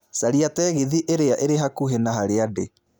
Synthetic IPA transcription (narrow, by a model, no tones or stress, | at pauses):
saɾiatɛɣeðiʔeɾeaʔeɾeɦakuɦenaɦaɾeade